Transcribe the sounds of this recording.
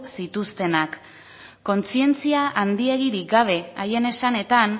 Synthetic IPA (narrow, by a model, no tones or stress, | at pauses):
sit̪ust̪e̞nak | kːo̞nt͡sie̞nt͡siaʔand̪ie̞ɣ̞iɾik̚ɡaβ̞e̞aje̞ne̞sane̞t̪an